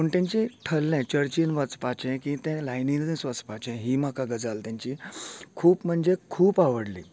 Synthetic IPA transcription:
oɳʈẽnt͡ɕĩʈʰəlːɛ̃t͡ɕəɾt͡ɕiːnʋət͡spat͡ɕɛ̃kĩt̪ɛ̃lajnind̪ĩsʋət͡spat͡ɕɛ̃ɦiːm̤akaɡəd͡zalt̪jãɲt͡ɕikʰuːpm̤əɳd͡ʑekʰuːpaʋəɽlḭː

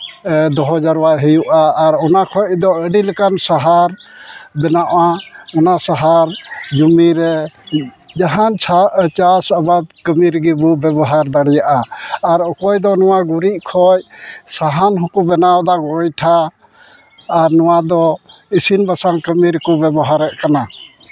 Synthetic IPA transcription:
d̪ɔɦɔd͡ʒaɾwaɦəjuʔaːɾɔnakʰɔjd̪ɔəɖiləkansaɦaɾbɛnaʔaɔnasaɦaɾd͡ʒumiɾɛ | d͡ʒaɦant͡ʃʰat͡ʃasabad̪̚kəmiɾɡibɔbɛbɔɦaɾd̪aɽɛjaʔaːɾɔkɔjd̪ɔnɔwaɡuɾiʔ̚kʰɔjsaɦanɦukumbɛnawd̪aɡɔjʈʰa | ɾnɔw̃ad̪ɔisinbasaŋkəmiɾkɔbɛbɔɦaɾɛʔkana

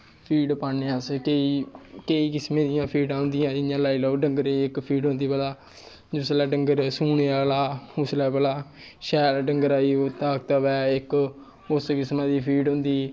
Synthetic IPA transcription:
pʰiːɖpaːneːãːskeiːkəiːkɪsmẽːd̪ɪjãːpʰiːɖãːɦʊ̃nd̪ɪjãːd͡ʒɪjãːlaːiləoːɖə̃ŋɡəɾeiɪkpʰiːɖɦõnd̪iːpəlaː | d͡ʒʊslɛːɖəŋɡəɾsuːneːaːlaːʊslɛːpəlaː | ʃɛːlɖəŋɡəɾaːiːot̪aːk̚t̪aːʋɛːɪk | ʊskɪsmãːd̪iːpʰiːɖɦʊ̃nd̪iː

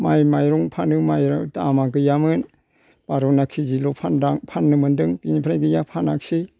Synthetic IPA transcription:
majmajɾɔŋpʰanɯmajɾatamak̬ɯjamɯn | b̥aɾɔnakʰizilɔpʰandaŋpʰanːɯmɯndɯŋpinipʰɾajɡɯjapʰanak̚si

